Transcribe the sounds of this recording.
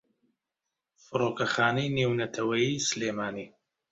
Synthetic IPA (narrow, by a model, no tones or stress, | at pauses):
fɨɾoːkɐxaːnɐjnewnɐt̪ʰɐwɐjisɨleːmaːniː